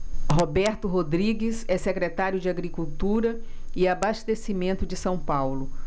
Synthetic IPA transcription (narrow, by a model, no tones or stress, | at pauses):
ɦobɛɾt̪ʊɦod̪ɾiɡɪsɛsekɾet̪aɾjʊd͡ʒɪaɡɾikuwt̪uɾɐɪabast̪esimẽnt̪ʊd͡ʒɪsɐ̃w̃pawlʊ